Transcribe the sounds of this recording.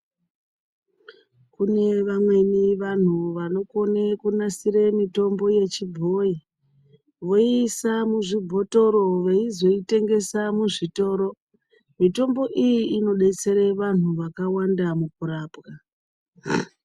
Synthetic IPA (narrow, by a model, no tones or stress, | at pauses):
kune̞ʋamwe̞niʋan̤uʋano̞ko̞nekunasiɾemito̞mbo̞je̞t͡ʃibʱo̞i | ʋo̞isamuʐibʱo̞to̞ɾo̞ʋe̞izo̞ite̞ŋɡe̞samuʐito̞ːɾo̞ | mito̞mbo̞ʔijiːno̞ɗe̞t͡se̞ɾe̞ʋan̤uʋakawandamukuɾaːpka